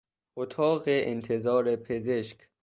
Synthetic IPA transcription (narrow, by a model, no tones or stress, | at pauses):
ʔot̪ʰɒːɢeʔent̪ʰezɒːɾepʰezeʃkʰ